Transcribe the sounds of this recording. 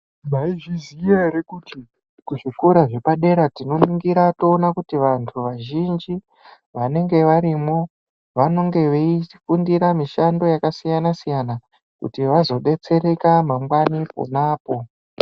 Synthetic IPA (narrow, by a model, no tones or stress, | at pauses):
maiʐizijeɾekuːti | kuʐikuɾaʐe̞paɗe̞ɾatino̞nuŋɡiɾato̞ːnakutiʋantʰuʋaʒind͡ʒi | ʋane̞ŋɡe̞ʋaɾimo̞ | ʋano̞ŋɡe̞ʋeifundiɾamiʃando̞jakasijanasijana | kṵtiʋazo̞ɗe̞t͡se̞ɾe̞kamamwanipo̰naːpo̞